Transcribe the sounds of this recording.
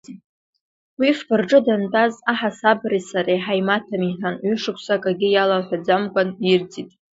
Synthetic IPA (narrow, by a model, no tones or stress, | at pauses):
wifbʰɨrʈ͡ʂʼɨdantʼazaħasabrisaɾeħajmatʰamiħanɥʏʂɨkʷʰsakʼaɡʲɪjalaħʷᶣad͡zamkʷʼanird͡zʼitʼ